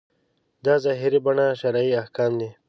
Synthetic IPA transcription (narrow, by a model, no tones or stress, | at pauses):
d̪ɑzɑɦiɾibaɳaʃaɾaːiahkɑːmd̪i